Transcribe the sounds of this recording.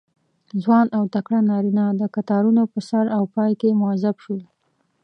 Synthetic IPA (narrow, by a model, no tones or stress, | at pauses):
zwɑnawt̪akɽanɑɾinɑd̪əkat̪ɑɾunopəsaɾawpɑjkemʊazabʃol